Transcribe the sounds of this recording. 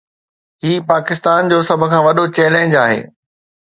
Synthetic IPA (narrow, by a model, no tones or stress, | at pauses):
ɦiːpaːkɪst̪aːnd͡ʑoːsɐbʱʊ̆kʰãːʋɐɗot͡ɕɛːləɪ̃d͡ʑaːɦḛː